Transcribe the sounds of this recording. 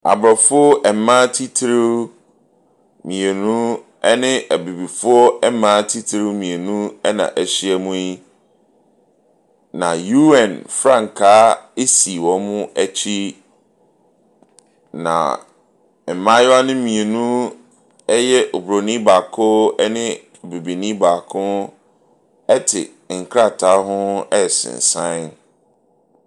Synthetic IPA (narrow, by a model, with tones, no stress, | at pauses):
a̰˨bɾɔ˨fʊ˦ɔ˦ʔɛ˨m˨˦mã˦tʰi˦tʰɾɪ˦ | mĩ˨e˨nũ˦ | ɛ˦nɪ̃˦ʔæ˨bi˨bi˨fʊ˦ɔ˦ɛ˦mãː˦tʰi˦tʰɾɪ˦wmĩ˨e˨nũ˦ɛ˦nã̰˨ʔæ˨ɕi˦ɛ˦mũ˦i˦ | nã̰˨ju˦ɛ̃˦˨nfɾã˦˨ŋ˨kʰaː˦e˦si˨wɔ̃˨mʊ̃˦æ˦t͡ɕʰi˦ | nã̰˨ | m̩˨mã˦jʊ˦a˦nʊ̃˦mĩ˨e˨nũ˦ | ɛ˦jɛ˦ʔo˨bɾo˨nĩ˦baː˨kʰʊ˦ɛ˦nɪ̃˦ | o˨bi˨bi˨nĩ˦baː˨kʰʊ̃˦ | ɛ˦tʰɪ̰˨ | ŋ̩˨kʰɾa˦˨tʰa˨˦ɦʊ̃˦ɛ˦ɛ˨sɪ̰̃˨n˨sã˦n